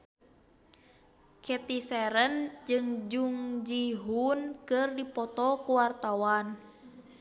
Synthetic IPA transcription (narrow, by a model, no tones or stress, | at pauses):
kɛt̪isɛɾənd͡ʒɨŋd͡ʒuŋd͡ʒiɦunkɨrdipɔt̪ɔkuwart̪awan